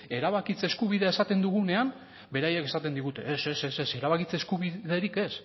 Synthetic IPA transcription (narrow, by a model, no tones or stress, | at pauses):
e̞ɾaβakit͡seskuβ̞iðe̞ae̞sat̪e̞nd̪uɣ̞une̞am | be̞ɾaje̞ke̞sat̪e̞nd̪iɣut̪e̞ese̞sese̞se̞ɾaβakit͡seskuβiðe̞ɾike̞s